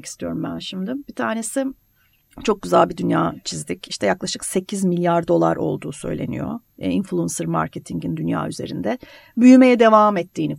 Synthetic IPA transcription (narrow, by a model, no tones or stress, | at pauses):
ki̥st̪ʰijo̞ɾumbæ̰nʃimd̪ɯmbit̪ʰaːɾne̞sɪ | t͡ʃʰo̞k̚ɟyzælʲbid̪ynjaːt͡ʃʰizd̪iciʃt̪ʰɛjaklˠaʃɯkse̞cʰizmilʲjaɾd̪o̞lˠa̰ɾʔo̞̰lˠd̪uːsø̞̰jlʲe̞̰nḭjo̰inflˠuunsɯɾma̰ɾcet̪ʰiŋɟind̪ynja̰ːyze̞̰ɾḭnd̪ɛ | byjyme̞jɛd̪e̞vaːmɛt̪ʰːiːni